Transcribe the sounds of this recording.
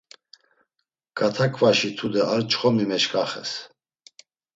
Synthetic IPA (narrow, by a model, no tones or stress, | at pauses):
ɡ̥at̪ʰakʰʼvaʃit̪ʰud̪ɛaɾt͡ʃχɔmimɛt͡ʃkʼaχɛ̰s